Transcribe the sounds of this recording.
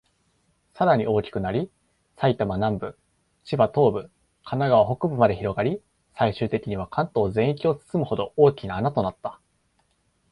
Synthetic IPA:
saɾaɲ̟iʔo̞ːkʲi̥kɯ̟naɾʲi | sait̪amanãmbɯ̟ | t͡ɕibat̪o̞ːbɯ̟ | kʰanaɡaβaɦo̞kɯ̟bɯ̟mad̪e̞çiɾo̞ɡaɾʲi | saiɕɨːt̪e̞kʲiɲ̟iβ̞akãnt̪o̞ːzẽ̞ɰ̃ikʲio̞t͡sɨ̥t͡sɨmɯ̟ho̞d̪o̞oːkʲinaːnat̪o̞nat̪ːḁ

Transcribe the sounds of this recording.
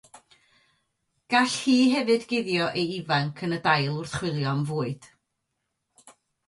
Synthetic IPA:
ɡ̥aɬhiːɦɛvɨdɡɪðjɔʔejivaŋkʰənədajlˠʊrθχwɪlˠjɔnvoːɨd̥

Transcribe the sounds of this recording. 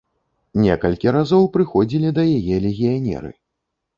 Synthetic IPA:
nʲɛkɐlʲkʲiɾazɔwpɾɨxɔd͡zʲilʲid̪ɐjajɛlʲeɣʲijanʲɛ̰ɾɨ̰

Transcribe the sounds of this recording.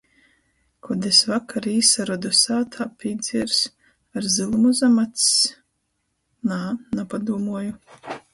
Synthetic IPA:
kʰɔd̪esvakʰaɾiːsaɾɔd̪ɔsaːt̪ʰaːpʲid̪z̥ʲiɾs | aɾzɨlˠmuzamat̪s | nanapad̪uːmuɔju

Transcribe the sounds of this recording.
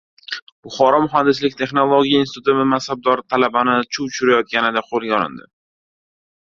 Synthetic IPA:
b̥ʊχɒɾɒmʊɦand̪ːɪslɪk̚ʲt̪ʰe̞χnolˠoɡʲijainst̪ʰut̪ɪmɪmasab̚d̪ɒɾt̪ʰalabanɪt͡ʃʰut͡ʃʰʊɾajɒt̪̚kʲanɪd̪aqʰolˠɡʲaɒlɪ̰nd̪ɪ

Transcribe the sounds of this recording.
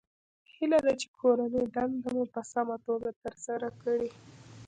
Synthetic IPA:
hilad̪at͡ʃe̥kʰoɾanəjd̪and̪amupəsamat̪oɡat̪əɾsaɾakəɽi

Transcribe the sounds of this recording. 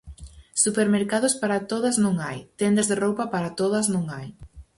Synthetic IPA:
supeɾmeɾkað̞ʊspaɾat̪oðɐznõŋajt̪end̪ɐzðerowpɐpaɾat̪oð̞ɐznõŋaj

